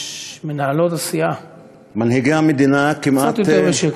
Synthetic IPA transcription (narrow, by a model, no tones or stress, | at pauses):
menahalo̞t̪asija | manhiɡehamed̪inakimʔaat̪joteveʃe